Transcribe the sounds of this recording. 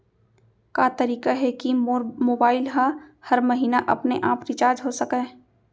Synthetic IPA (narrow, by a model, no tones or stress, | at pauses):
kaːt̪ɐɾiːkaɦɛkimoːbaːɪlɦahɐɾmɐɦiːnaʔɐpneʔaːpɾɪt͡ʃaːɾd͡ʒɦosɐkẽ